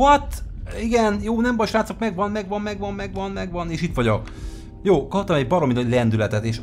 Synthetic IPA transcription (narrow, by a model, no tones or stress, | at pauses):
ɒt̪iɡɛnjoːnɛmbɒjʃɾaːt̪sokmɛɡʋɒnmɛɡʋɒnmɛɡʋɒmmɛɡʋɒnmɛɡʋɒneːʃit̪ʋɒɟok | joːkɒpt̪ːɒmɛɟbɒɾo̞minɒlɛnd̪ylɛt̪ɛt̪eːʃ